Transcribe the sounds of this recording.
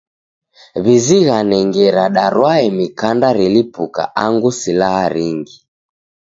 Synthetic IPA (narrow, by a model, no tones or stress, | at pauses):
βiziɣanɛŋɡɛɾaɗaɾwaɛmikandaɾilipuka̰ʔaŋɡusilahaɾiŋɡi